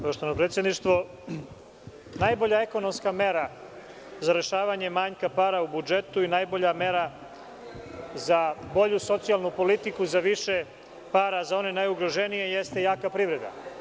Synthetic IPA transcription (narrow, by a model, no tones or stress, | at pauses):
kaʃt̪oanopɾet̪sjed̪niʃt̪ʋo̞ | najbo̞ʎae̞ko̞no̞mskame̞ɾa | zaɾe̞ʃaːʋaɲe̞maːɲkapaːɾaubud͡ʒe̞t̪uinajbo̞ʎame̞ɾa | zabo̞ʎuso̞t̪sijalnupo̞lit̪ikuzaʋiʃe | paːɾazao̞nenajuɡɾoʒenije̞jest̪e̞jaːkapɾiʋɾe̞d̪a̰